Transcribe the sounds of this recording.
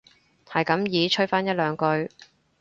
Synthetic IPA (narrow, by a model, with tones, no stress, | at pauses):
hɐ˨˩jkɐ˨˥mjiː˨˧˥t͡ʃʰɵ˥t̚faː˥njɐ˥t̚lœː˨˧ŋkɵ˧ɥ